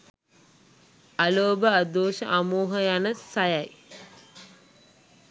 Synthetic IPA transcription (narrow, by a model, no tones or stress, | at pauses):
aloːbəad̪oːʃəʔamuːɦəjanəsajaj